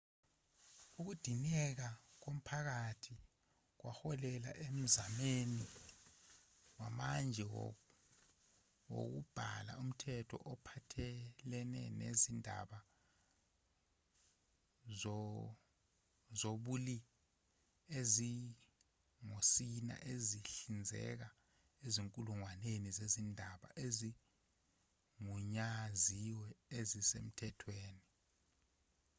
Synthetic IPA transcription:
uk̬ud̥ʱinɛk̬ak̬om̩pʰak̬atʰi | k̬waxɔlɛla̰ʔem̩zameni | wamand͡ʒʱɛ | wo̰k̬ub̥ʱala̰um̩tʰɛtʰɔ̰ʔɔpʰatʰɛlɛnɛ̰nḛzindʱa̰ɓa | ɔ | zoɓuli | ezi | ŋosina̰ʔeziɬind͡zʱɛ̰k̬a | eziŋkʼuluŋwanenizezindʱaɓa̰ʔezi | ŋuɲaziwɛezisḛm̩tʰɛtʰweːni

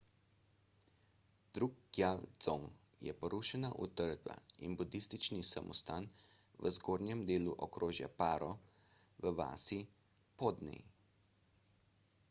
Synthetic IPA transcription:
d̪ɾuːk̚ɡjald̪z̥om | jɛ̰pɔɾuːʃɛnaʔṵt̪əɾd̪ba̰ḭnbud̪ist̪it͡ʃnisamʔɔst̪aːn | ʋəzɡoːɾnjɛmd̪eːluʔɔkɾoːʒja̰paːɾɔ | ʋəʋa̰ːsi | pɔːd̪nɛ̰j

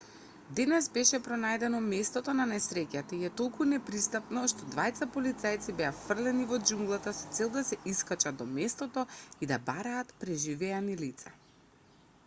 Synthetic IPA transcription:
d̪ɛnɛsbɛʃɛpɾɔnajd̪ɛnɔmɛst̪ɔt̪ɔnanɛsɾɛcat̪aiɛt̪olˠkunɛpɾist̪apnɔʃt̪ɔd̪vajt̪sapɔlit̪sajt̪sibɛafr̩lɛnivɔd͡ʒuŋɡlˠat̪asɔt̪sɛlˠd̪asɛiskat͡ʃad̪̚d̪ɔmɛst̪ɔt̪ɔid̪abaɾaːt̪pɾɛʒivɛanilit̪sa

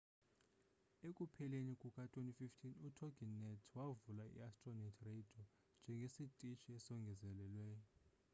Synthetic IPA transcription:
ekʼupʰɛlenikʼukʼatʰʼwenififtʰinutʰɔɡinːɛtʰwavulaḭastʼrɔnatʰred̥ʱiɔ | nd͡ʒʱɛŋɡʱesitʼit͡ʃʰʼiɛsɔŋɡʱɛzɛlɛlwɛːjɔ

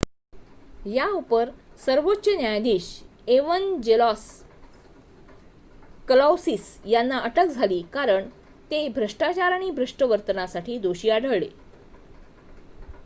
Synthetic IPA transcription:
jaupəɾsəɾʋotːɕənjajd̪iːɕ | eʋənd͡ʑelɔs | kəlawsisjanːaʔəʈəkd͡zʱaliːkaɾəɳ | t̪ebʱɾəʂʈat͡ɕaɾaɽ̃ibʱɾəʂʈəʋəɾt̪ənasaʈʰiːd̪oɕiːaɽʱəɭɭḛ

